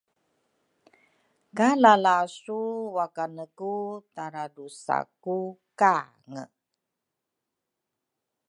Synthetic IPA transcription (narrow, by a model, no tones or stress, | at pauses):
kalalasuwakanəkut̪aɾadusa̰kuka | ŋə̰